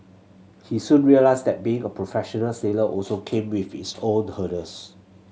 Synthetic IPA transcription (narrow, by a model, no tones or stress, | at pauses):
hisũnɹiəlaɪsdɛt̚biɪ̃ŋəpʰɹofɛʃɔnəlseləʔɔlsokʰẽmwifitsõnhədəs